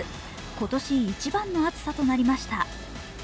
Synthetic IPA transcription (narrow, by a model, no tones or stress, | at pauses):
ɨ | ko̞t̪o̞ɕiːt͡ɕibãnːo̞at͡sɨ̥sat̪o̞naɾʲimaɕi̥t̪a